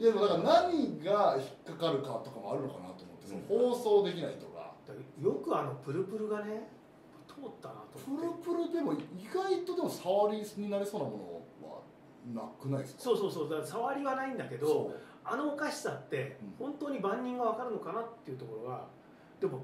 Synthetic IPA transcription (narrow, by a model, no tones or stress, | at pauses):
d̪ed̪emod̪akaɾanaɲ̟iɡaçi̥kːakaɾɯ̟kat̪o̞kamo̞aɾɯ̟no̞kana̰t̪omot̪ːemohoːso̞ːd̪e̞kʲinait̪oka̰d̪̥ajo̞kɯ̟ano̞pɯ̟ɾɯ̟pɯ̟ɾɯ̟ɡane̞ | t̪ʰo̞ːt̪ːana̰t̪opɯ̟ɾɯ̟pɯ̟ɾɯ̟d̪e̞mo̞iɡait̪o̞d̪e̞mo̞saβaɾʲisɲ̟inaɾʲiso̞ːnamo̞no̞̰βa̰ | nakɯ̟naiskso̞ːso̞ːsoːd̪akːsaβaɾʲiβanaĩnd̪ake̞d̪o̞ | ano̞ːkaɕi̥sat̪ːe̞hõ̞nt̪oːɲ̟ibãɲ̟ːĩŋɡaβakaɾɯ̟no̞kanat̪ːe̞iɯ̟t̪o̞ko̞ɾo̞ɡa | d̪̥e̞mo̞